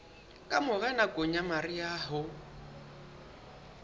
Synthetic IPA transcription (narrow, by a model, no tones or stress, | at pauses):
kʼamʊɣɛnakʼoɲamariaːɦʊ